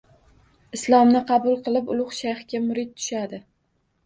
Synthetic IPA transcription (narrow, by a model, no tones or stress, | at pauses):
ɪslˠɒmnɪqʰɑbʊlˠqɨlˠɪpʊlˠʊχʃajχɡʲamʊɾɪt̪̚t̪ʰʊ̥ʃad̪ɪ